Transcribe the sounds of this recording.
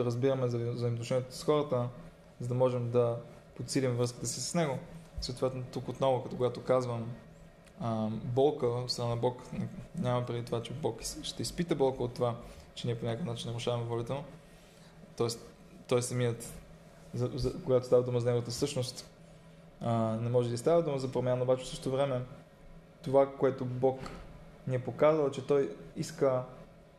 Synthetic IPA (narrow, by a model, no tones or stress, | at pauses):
ɐɾəzbiɾəmɛzɐzimot̪ʊʃɛnʲijɛt̪osxɔɾət̪ə | zɐd̪ɐmɔʒɛmd̪ɐ | pot̪silʲimvɾɤski̥t̪ɛsi̥sə̥snɛɡʊsoːt̪vɛt̪not̪ukot̪nɔvokɐt̪ɔkoɡat̪okazvəm | bɔlˠkəot̪st̪ɾɐnanɐbɔknɛɲʲamɐpɾɛd̪it̪ovat͡ʃɛbɔksʃt̪ɛispit̪əbɔlˠkəot̪ːovat͡ʃɛniɛpoɲʲakəfnat͡ʃinnɐɾʊʃavɐmɛvɔlit̪ɛno | t̪ɔɛs | t̪ɔjsɐmiət̪ | zɐzɐkoɡat̪ost̪avɐd̪uməzɐnɛɡot̪əfsɤʃnost̪ | nɛmɔʒɛd̪ɐist̪avəd̪uməzɐpɾomʲjanɐobat͡ʃɛfsɤʃot̪ovɾɛmɛ | t̪ovakoɛt̪obɔkniɛpokazəlˠt͡ʃɛt̪ɔjiskə